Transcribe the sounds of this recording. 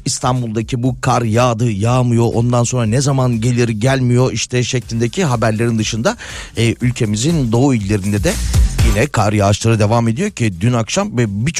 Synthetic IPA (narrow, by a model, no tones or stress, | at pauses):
ist̪ʰanbulˠd̪acʰibukʰaɾjaːd̪ɯjaːmɯjo̞ʔo̞nd̪anso̞nɾanɛzamanɟe̞lʲiɾɟælʲmijo̞ʔiʃt̪ʰɛʃeclʲinʲd̪ecʰiɦabæɾlʲe̞ɾind̪ɯʃɯnd̪aː | ʔylʲcʰe̞mizind̪o̞uilʲːe̞ɾind̪ɛd̪ɛjinɛkʰaɾjaːʃlˠaɾɯd̪e̞vaːme̞d̪ijo̞cʰid̪ynakʃamvɛbit͡ʃʰ